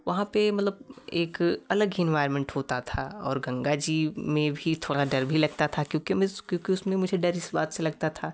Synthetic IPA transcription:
ʋɐɦãpemɐt̪ləb̚eːkɐləɡɪ̃nʋaːɪɾmɛ̃ɳʈɦoːt̪at̪ʰaɔ̰ːɾɡɐ̃ŋɡad͡ʒimẽbʱit̪ʰoːɽaɖɐɾbʱilɐɡ̚t̪at̪ʰakjõːkimkjõːkiʊsmẽmʊd͡ʒʱeɖɐɾɪsbaːt̪selɐɡ̚t̪at̪ʰaː

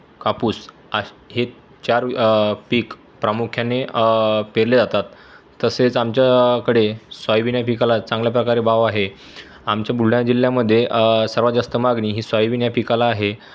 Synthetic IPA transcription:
kapuːs | ahe | t͡ɕaɾpiːk | pɾamukʰjanepeɾled͡zat̪at̪ː | əset͡samt͡ɕjakəɽesʋajiʋinjapikalat͡sãŋɡljap̬ɾəkaɾebaʋaɦe | amt͡ɕjabʱuɽ̤jad͡ʑiljaməd̪ʱːjesəɾʋəd͡zast̪əmaɡɳiːɦiːsajʋinjapikalaːɦe

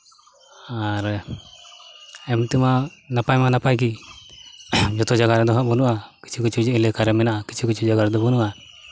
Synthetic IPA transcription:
aɾ | ɛmt̪imanapajmanapajk̬i | d͡ʒɔt̪ɔd͡ʒaɡaɾɛd̪ɔɦaʔbɔnuʔaki̥t͡ʃʰikut͡ʃʰud͡ʒɛʔilɛkaɾɛmɛnaʔaki̥t͡ʃʰikut͡ʃʰud͡ʒaɡaɾd̪ɔbɔnuʔa

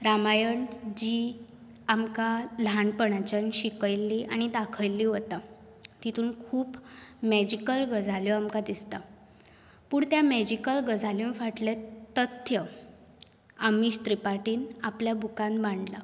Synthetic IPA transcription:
ɾamajəɳd͡ʑiː | amkalaɳpəɳat͡ɕənɕikəjlːiːʔaɽ̃id̪akʰəjlːiːɦot̪a | t̪it̪ʰuːnkʰuːpmɛd͡ʑikəlɡəd͡zaljɔamkad̪ist̪a | puːɳt̪jamɛd͡ʑikəlɡəd͡zaljunfaʈlet̪ət̪ʰjə | amiɕt̪ɾipaʈiːnapljabʱukãnbaɳɖla

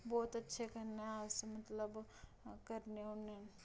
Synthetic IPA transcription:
bɔːt̪ɐtːʃʰekɐɾneɦaːsemɐt̪ləb | kɐɾneʊnẽ

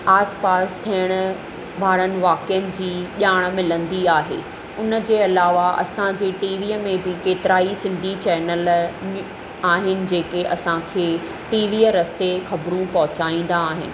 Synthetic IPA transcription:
aːspaːst̪ʰijəɽ̃̆ | ʋaːɽənɪ̆ʋaːkɪjənɪ̆d͡ʑiːʄaːɽ̃̆mɪlə̃nd̪iaːɦḛ | ʊnəd͡ʑeːɐlaːʋaʔɐ̰sãd͡ʑeːʈiːʋiːəmẽbɪkeːt̪ɪɾaːisɪ̃nd̪ʱit͡ɕɛːnəl | aːɦɪnɪ̆d͡ʑeːkeʔɐsãkʰeː | ʈiːʋiːəɾɐst̪exɐbɾũpɐɦʊt͡ɕaːĩːn̆d̪aːɦɪ̰nɪ̆

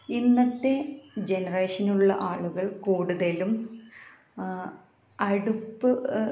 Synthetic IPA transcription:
inːɐt̪ːe̞d͡ʑe̞nɐreːʂɐnuɭːɐ̰ʔaːɭuɣɐɭkuːɽuðɐlum | ɐɽupːɨ

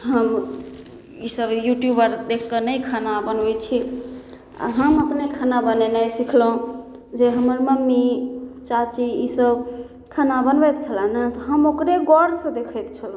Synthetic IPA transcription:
ɦəm | isəbjuʈjubəɾd̪ekʰkənəjkʰanabənbɛt͡ʃʰi | a̰ɦəməpnekʰanabənenəsikʰləũ | d͡ʒeɦəməɾməmːit͡ʃat͡ʃiisəb | kʰanabənbɛt̪t͡ʃʰələnət̪ɔɦəmokɾeɡɔɾsə̃d̪ekʰɛt̪t͡ʃʰəl

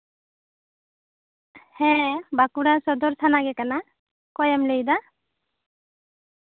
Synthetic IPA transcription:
hɛ̃bakuɾasɔd̪ɔɾsanaɡɛkana | kɔjamlejd̪a

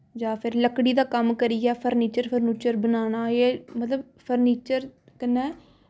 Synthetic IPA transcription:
d͡ʒaːpʰɪɾləkɽiːd̪aːkəmkəɾiɛːpʰəɾniːt͡ʃəɾpʰəɾniːt͡ʃəɾbənaːñaːeːmət̪ləb | pʰəɾniːt͡ʃəɾ | kənːɛː

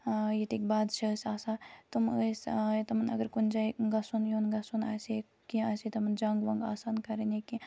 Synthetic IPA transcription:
jit̪ikbaːd̪t͡ʃʰɐsaːsat̪uməset̪ɐmɐnɐ̰ɡəɾkund͡ʒajɡɐsunjonɡɐsuna̰ːse | kiaːsit̪ɐmɐnd͡ʒãːŋɡʋɐŋɡa̰ːsaːnkɐɾeneki

